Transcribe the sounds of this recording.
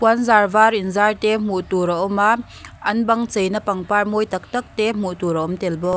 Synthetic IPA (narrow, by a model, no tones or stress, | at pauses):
puanzaːrvaːrinzart̪ɛm̥uʔt̪uɾaʔɔma | ʔɐnbɐŋt͡sejnɐpɐŋparmojt̪ɐk̚t̪ɐk̚t̪ɛm̥uʔt̪uɾɐɔmt̪ɛlbɔ